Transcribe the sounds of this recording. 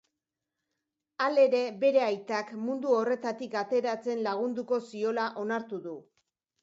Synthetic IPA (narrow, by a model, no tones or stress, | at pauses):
ale̞ɾe̞be̞ɾe̞ajt̪akmund̪uo̞re̞t̪at̪ikat̪e̞ɾat͡se̞nlaɣ̞und̪uko̞sio̞laʔo̞naɾt̪uðu